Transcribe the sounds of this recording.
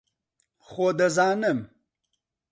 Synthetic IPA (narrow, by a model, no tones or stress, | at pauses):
xoːd̪əzɑːnəm